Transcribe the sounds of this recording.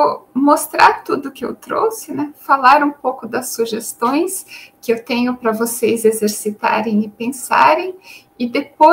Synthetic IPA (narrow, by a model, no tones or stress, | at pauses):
wmost̪ɾaɾt̪ud̪ʊkɪḛwt̪ɾo̰sɪnɛfalaɾũpowkʊd̪ɐsːuʒest̪õj̃skɪewt̪ẽɲʊpɾɐvosejzezeɾsit̪a̰ɾẽj̃ɪpẽsa̰ɾẽj̃ | ɪd̪epo